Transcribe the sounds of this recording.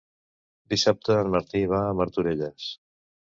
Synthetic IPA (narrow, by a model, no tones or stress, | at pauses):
d̪isap̚t̪əːlməɾt̪iβ̞aəməɾt̪uɾeʎes